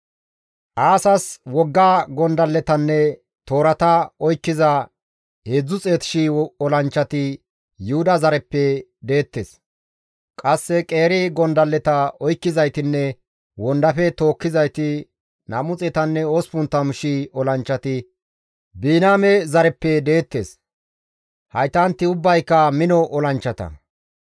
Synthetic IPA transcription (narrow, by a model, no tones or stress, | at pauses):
ʔaːsɐswɔɡːaːɡɔnd̪ɐlːɛt̪ɐnːɛ | t̪o̞ːɾɐt̪ɐɔjkːɪzɐ | heːd͡zːʊt͡sʼeːt̪ɪ̥ʃiɔlɐnt͡ʃːɐt̪ɪ | jʊhʊd̪ɐzɐɾɛpːɛd̪e̞ːt̪ːeːs | kʼɐsːɛkʼe̞ːɾɪɡɔnd̪ɐlːɛt̪ɐɔjkːɪzɐjt̪ɪnːɛ | wɔnd̪ɐfɛt̪o̞ːkːɪzɐjt̪ɪ | nɐmʊt͡sʼɛt̪ɐnːɛoːspʊnt̪ːɐmʊʃiɔlɐnt͡ʃːɐt̪ɪ | biːnaːmɛzɐɾɛpːɛd̪e̞ːt̪ːeːs | hɐjt̪ɐnt̪ːɪʊbːɐjkːɐmɪnɔʔɔlɐnt͡ʃːɐt̪ɐ̰